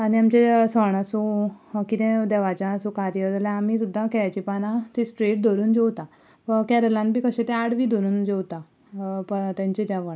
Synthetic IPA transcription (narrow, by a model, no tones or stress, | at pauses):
aniamt͡ɕesəɳ̃asũkit̪ẽd̪eʋat͡ɕãːsũkaɾjəɾd͡zlãam̤it̪ud̪ʱːãkɛat͡ɕipanãt̪isʈɾeʈ̚d̪ʱoɾuːnd͡ʑewt̪a | pəkɛɾəlãnbʱiːkəɕẽt̪ɛ̃aɽʋiːd̪ʱoɾuːnd͡ʑewt̪a | pət̪jãɲt͡ɕed͡ʑaʋəɳ